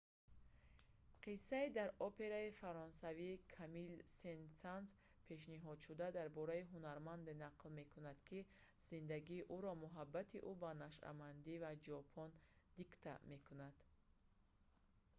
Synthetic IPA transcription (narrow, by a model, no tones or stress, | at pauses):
qʰisːaid̪aɾɔpʰe̞ɾaifaɾɔnsavikʰamilsensans | pʰe̞ʃ̬niɦɔd̪ʃud̪ad̪aɾbɔɾaiɦunaɾmand̪enaqlme̞kʰunad̪kʰiz̥ind̪aɡiːʔuɾɔmuɦabːat̪ʰiʔubanaʃa̰mand̪ivad͡ʒɔpʰɔnd̪ikt̪ʰa̰me̞kʰunad̪̥